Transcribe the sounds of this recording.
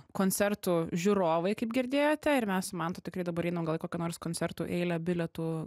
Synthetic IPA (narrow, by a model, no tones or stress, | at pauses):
koːnʲt͡s̪ʲɛrt̪uːʒʲuɾoːʋɐɪkɐɪpɡʲɪɾʲd̪ʲeːjoːt̪ʲɛɪɾmʲɛsʊmɐnt̪oːt̪ʲɪkɾɐɪd̪ɐbɐɾɛɪnɐmɡɐlˠɪkoːkʲɛnoːrskoːnʲt͡ssʲɛrt̪uːʔɛɪlʲɛbʲɪlʲɛt̪uː